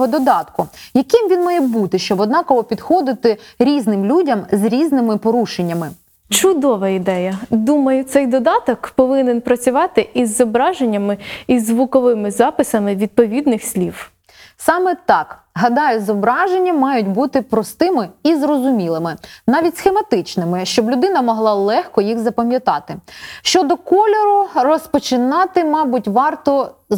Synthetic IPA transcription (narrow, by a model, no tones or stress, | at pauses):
ɦɔd̪ɔd̪ɑt̪kʊjɐkɪmʋʲinmɑjɛbut̪ɪʃt͡ʃɔbɔd̪nɑkɔɦɔpʲid̪xɔd̪ɪt̪ɪɾʲiznɪmlʲudʲɐmzɾʲiznɪmɪpɔɾuʃenʲːɐmɪ | t͡ʃʊd̪ɔʋɐid̪ɛjɐd̪umɐjʊt̪sɛjd̪ɔd̪ɑt̪ɔkpɔʋɪnenpɾɐt͡sʲʊʋɑt̪ɪʔizːɔbɾɑʒenʲːɐmɪizːʋʊkɔʋɪmɪzɑpɪsɐmɪʋʲid̪̚pɔʋʲid̪nɪxsʲlʲiw | sɑmɛt̪ɑk | ɦɐd̪ɑjʊzɔbɾɑʒenʲːɐmɑjʊtʲbut̪ɪpɾɔst̪ɪmɪizrɔzʊmʲilˠɪmɪnɑʋʲitʲsxemɐt̪ɪt͡ʃnɪmɪʃt͡ʃɔblʲʊd̪ɪnɐmɔɦlˠɑlˠɛxkɔjixzɐpɐmʲjɐt̪ɑt̪ɪʃt͡ʃɔd̪ɔkɔlʲɔɾʊrɔspɔt͡ʃɪnɑt̪ɪmɑbʊtʲʋɑrt̪ɔ